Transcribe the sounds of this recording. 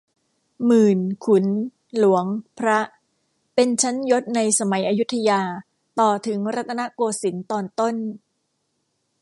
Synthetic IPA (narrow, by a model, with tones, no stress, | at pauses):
mɯː˨˩nkʰu˩˦n | lu˩˦əŋpʰɾa˦˥ʔ | pe˧nt͡ɕʰa˦˥njo˦˥t̪̚na˧jsa˧ma˩˦jʔaː˧ju˦˥t̪ʰːa˧jaː˧ | t̪ɔː˨˩t̪ʰɯ˩˦ŋɾa˦˥t̪ʰːa˧na˦˥ʔkoː˧si˩˦nt̪ɔː˧˩nt̪o˥˩n